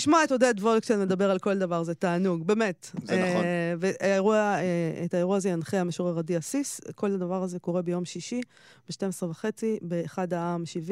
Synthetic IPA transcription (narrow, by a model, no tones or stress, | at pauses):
iʃmaetod̪et̪volktelme̞d̪abe̞ʁalko̞ldavaʁzet̪aːnuɡbe̞me̞teveaeʁuaeetaeʁuaːzejanχeameʃoʁeʁadiasisko̞lad̪avaʁaze̞ko̞ʁe̞bejo̞mʃiʃi | beʃtemesʁevaχe̞t͡sibeːχadaaːmʃivi